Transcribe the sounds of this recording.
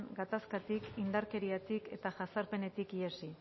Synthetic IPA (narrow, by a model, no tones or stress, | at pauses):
nɡat̪askat̪ikind̪aɾke̞ɾiat̪ike̞t̪aʝasaɾpe̞ne̞t̪ikiesi